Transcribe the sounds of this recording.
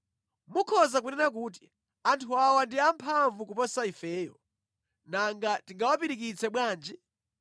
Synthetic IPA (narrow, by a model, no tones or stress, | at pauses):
mukʰɔzakunɛnak̬uːt̬i̥ | antʰuawandiampʰaɱvukupɔsaifɛːjɔ | naŋɡatiŋɡawapiɾik̬it͡sʰɛɓwaːnd͡ʒi